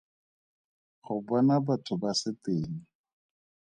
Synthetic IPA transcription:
χʊbɔnabatʰʊbasɪteːŋ̩

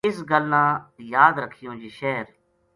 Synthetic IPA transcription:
ɪsɡəlnãːjaːd̪ɾəkʰːijõːd͡ʒiːʃɛːɾ

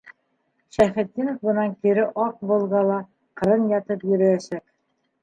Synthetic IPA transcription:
ʃæχɘ̆t̪̚ːinŏfbɤ̆nɑŋkiɾɘʔɑq̚bŏlˠʁɑlˠɑ | qɤ̆ɾɤnjɑt̪ɤpjɵ̆ɾɘ̆j̪æʃæk

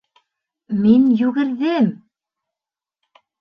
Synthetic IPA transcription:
minjʉɡɘ̆ɾðɘm

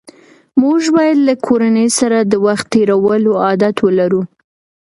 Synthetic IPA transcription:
muʒbɑjad̪lakʰoɾanəjsaɾad̪əwaxt̪ːeɾawəloɑd̪at̪wəlaɾu

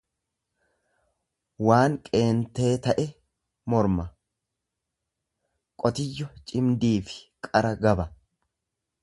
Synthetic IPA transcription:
waːnkʼe̞ːnt̪ːe̞ːt̪ɐʔɛ | mɔɾmɐ | kʼɔt̪ɪjːɔt͡ʃʼɪmd̪iːfɪ̥kʼɐɾɐɡɐbɐ

